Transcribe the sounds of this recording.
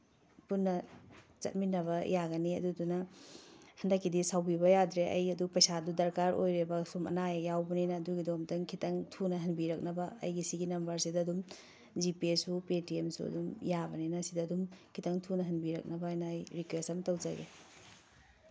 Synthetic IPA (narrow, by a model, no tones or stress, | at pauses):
punːɐ | t͡ʃɐ̰t̚minɐβɐjaɡɐniɐ̰dudunɐ | hɐndɐkʰːidisawbibɐjadɾeʔɐ̰jɐdupɐjsadudɐɾkaɾʔo̰jɾebɐsumɐ̰najɐjawbɐninɐːduɡidomdɐŋkʰitɐŋtʰunɐɦɐnbiɾɐk̚nɐbɐɐ̰jɡisiɡinɐmbɐɾsidɐːdum | d͡ʒipiesupetiemsṵɐ̰dumjabɐninɐsidɐːdumkʰitɐŋtʰunɐɦɐnbiɾɐ̰k̚nɐbɐjnaːjɾikwesɐmtɐwd͡ʒaɡḛ